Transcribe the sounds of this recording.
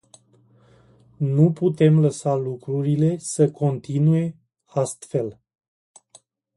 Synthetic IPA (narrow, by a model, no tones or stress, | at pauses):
nuput̪e̞mləsalukɾuɾile̞səkʰo̞nt̪inuje̞ | ast̪fe̞l